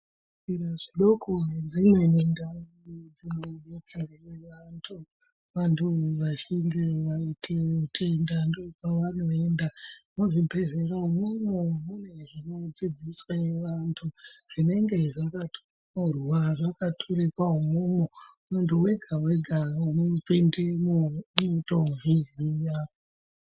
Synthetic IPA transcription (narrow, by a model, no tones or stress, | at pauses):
iraʐiɗokʰoɦed͡zimwe̞nendaid͡zimoenetʰerejeʋantʰu | ʋantʰuʋat͡ʃiŋɡeʋaitʰeutʰe̞ndandokaʋan̤uʋe̞ːndamuʐipe̞zeɾaumomomune̞ʐino̞d͡zid͡ziswajeʋantʰuʐ̥ine̞ŋɡe̞ʐakatʰo̥r | karuaʐakatʰoɾekwaɦumomo | muntʰuwe̞ɡʱaweɡʱaunopendemootouʐizijao